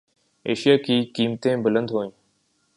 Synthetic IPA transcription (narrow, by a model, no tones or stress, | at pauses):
eːʃijaːkiːkiːmt̪ẽːbələ̃nd̪ʱɦoːĩː